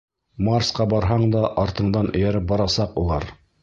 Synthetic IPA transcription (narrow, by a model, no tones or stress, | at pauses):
marsqɑbɑɾɦɑɴd̪ɑʔɑɾt̪ɤ̆ɴd̪ɑnʔɵ̆jæɾɘp̚bɑɾɑsɑqulˠɑɾ